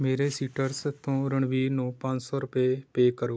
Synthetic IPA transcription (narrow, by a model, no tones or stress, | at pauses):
meːɾeːsiːʈəɾst̪õːɾəɳʋiːnũːpə̃ɲd͡ʒsɔːɾʊpeːpeːkəɾoː